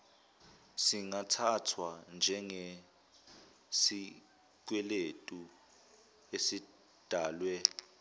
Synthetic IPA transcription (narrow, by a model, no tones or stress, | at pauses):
siŋatʰatʰwand͡ʒʱɛŋe | si | k̬wɛletʼu | esi | d̥ʱaːlwɛ